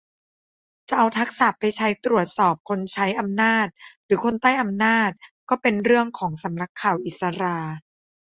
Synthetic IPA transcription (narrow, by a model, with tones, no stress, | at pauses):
t͡ɕa˨˩ʔa˧wt̪ʰa˦˥k̚saː˨˩pːa˧jt͡ɕʰa˦˥jt̪ɾu˨˩ət̪̚sɔː˨˩p̚kʰo˧nt͡ɕʰa˦˥jʔa˧mnaː˥˩t̪̚ɾɯː˩˦kʰo˧nt̪a˥˩jʔa˧mnaː˥˩t̪̚kɔː˥˩pe˧nɾɯ˥˩əŋkʰɔː˩˦ŋsa˩˦mɾa˧˥kʰːaː˨˩wʔi˨˩t̪̚sa˧ɾaː˧